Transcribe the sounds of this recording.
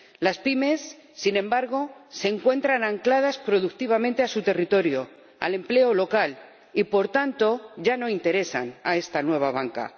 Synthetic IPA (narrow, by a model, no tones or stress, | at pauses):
laspime̞sː | inẽ̞mbaɾɣ̞o̞se̞ŋkwe̞nt̪ɾanaŋklað̞aspɾo̞ðuk̚t̪iβ̞amẽ̞nt̪e̞asut̪e̞rit̪o̞ɾjo | a̰le̞mple̞olo̞kal | ipo̞ɾt̪ant̪o̞ʝano̞int̪e̞ɾe̞sa̰na̰e̞st̪anwe̞β̞aβ̞aŋka̰